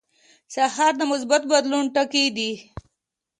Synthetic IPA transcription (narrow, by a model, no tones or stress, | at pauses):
sahɑɾd̪əmʊsbat̪̚bad̪lunʈaked̪i